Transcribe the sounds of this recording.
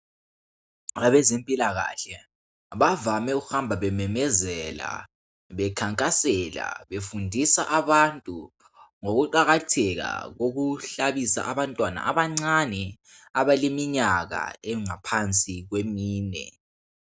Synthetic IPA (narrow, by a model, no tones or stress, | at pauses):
aβɛzempʼilaɣa̰ɬɛ | βavamɛuɣuhambʱaβɛmɛmɛzɛla̰ | βɛkʰaŋkʼasɛla̰βefundʱisaʔaβantʼu | ŋoɣuǃaɣatʰɛɣa̰ɣoɣuɬaβisa̰ʔaβantʼwana̰aβaŋ͡ǀanɛ | aβalemiɲaɣa̰ɛŋapʰant͡sʼiɣwemiːnɛ̰